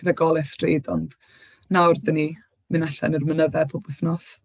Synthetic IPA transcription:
ɡ̥rɛɡɔlˠɛstrḛːdɔnd | nawrdəni | mɨnaɬɛ̰nərmənəvɛpʰɔbwɪθnɔs

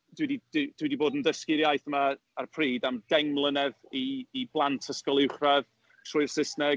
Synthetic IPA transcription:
dwɪdidd̥wɪdiboːdəndəskɪɾjajθəma | arpʰriːdamɡɛŋmlˠənɛðiːblˠantʰəskɔlˠɪwχrað | tʰrʊɨjrsɪsnɛ

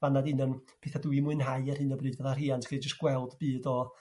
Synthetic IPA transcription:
vanadinən | pʰeːθaduimʊɨnɦaɨɛr̥hɨnəbrɨːdvɛðariːantʰχiːd͡ʒəst̚ɡ̥wɛlˠdb̥iːdɔ

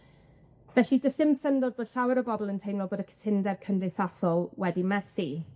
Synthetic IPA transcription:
vɛɬidəsɪmsəndɔd̚boːd̥ɬawɪɾəbɔbɔlˠəntʰejnlɔboːdəkʰə̥tʰɪndɛvkʰəndɪθasɔlˠwɛdimɛsi

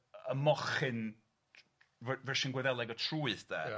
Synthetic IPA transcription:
əmɔχɨn | vvɛʃɪnɡwɛðɛlˠɛɡɔtʰruːɨθd̥ɛ̰ː

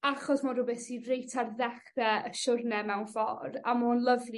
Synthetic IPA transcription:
aχɔsmaɾʊbɛθirejtʰarðɛχrɛəʃʊrnɛmɛwnfɔ̰ramʊːnlˠəvli

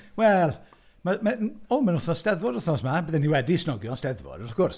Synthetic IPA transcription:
wɛlˠ | mamaomənʊθnɔsd̥ɛðvɔdʊθnɔsmabəðɛniwɛdisnɔɡjɔnstɛðvɔ̰dɔθkʊrs

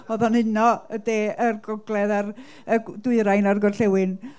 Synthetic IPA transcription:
oðɔnɨnɔədeːʔərɡɔɡlˠɛðar | ədʊɨɾajnarɡɔrɬɛwɨn

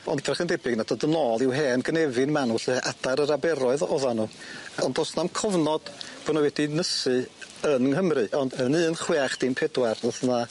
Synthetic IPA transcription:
ɔ̰nddrɛχəndɛbɨɡnadɔdənɔlˠɪwɦeːnɡənɛvɨnmanuɬɨʔad̥aɾəɾabɛɾɔɨðɔðanuːɔndɔsnamkʰɔvnɔd̥b̥ɔnɔwɛdinəsɨənɦəmrɨʔɔndənɨːnχweaχd̥inpʰɛdwarlɔθna

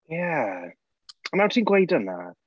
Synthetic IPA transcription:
ja | ɔnawtʰiːnɡwejdəna̰

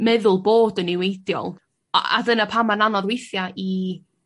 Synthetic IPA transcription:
mɛðʊlˠboːdənɪwejdjɔ̰l̰ˠ | a̰dənapʰamananɔðwejθjai

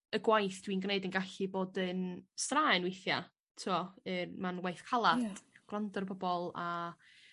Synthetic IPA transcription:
əɡwajθd̥winɡneɨdənɡaɬiboːdənstraːɨnwejθja | tʰuɔɨrmanwajθkʰalˠad̥ɡ̥lˠandɔrbɔbɔlˠa

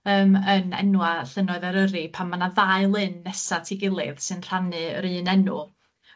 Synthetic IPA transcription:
əːmənɛ̰nwaɬənɔɨðaɾəɾipʰamanaðaɨlˠɨnːɛsatʰiɡɪlˠɪ̰ðsɨnr̥anɨɾɨːnɛnṵ

